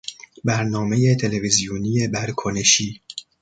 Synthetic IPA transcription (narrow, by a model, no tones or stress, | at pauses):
bæɾnɒːme̞jet̪ʰe̞levizijunije̞bæɾkʰoneʃiː